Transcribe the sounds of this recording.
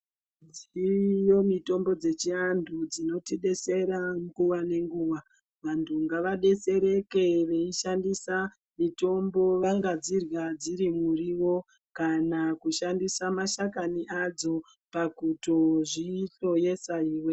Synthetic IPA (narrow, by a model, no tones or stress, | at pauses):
d͡zijo̞mito̞mbo̞d͡ze̞t͡ʃiandʰud͡zino̞tiɗe̞se̞ɾamɡuwane̞ŋɡuːʋa | ʋantʰuŋɡaʋaɗe̞se̞ɾe̞ke̞ʋe̞iʃandisa | mito̞mbo̞ʋaŋɡad͡zirwad͡ziɾimuriwo̞ | kanakuʃandisamaʃakaniʔad͡zo̞ | pakuto̞ʐiɬo̞je̞saiːwe